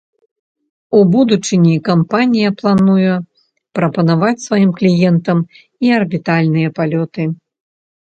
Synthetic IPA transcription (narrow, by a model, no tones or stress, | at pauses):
ubud̪ut͡ʂɨnʲikampanʲijɐplˠanuju | pɾɐpɐnavat͡sʲsvajimklʲijɛnt̪ɐm | iɐrbʲit̪alʲnɨjɐpalʲɔt̪ɨ